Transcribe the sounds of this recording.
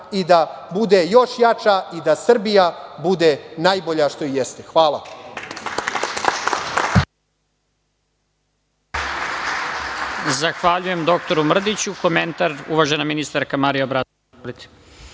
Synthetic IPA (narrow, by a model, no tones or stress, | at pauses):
id̪abud̪ejo̞ʃjat͡ʃaid̪asr̩bijabud̪enaːjboʎaʃt̪o̞ijest̪exʋaːlˠa̰ | zaxʋaʎujemd̪o̞k̚t̪o̞ɾumr̩d̪it͡ɕuko̞ment̪aɾṵʋaʒenaminist̪aɾkamaɾijabɾat̪ | oɾit̪i̥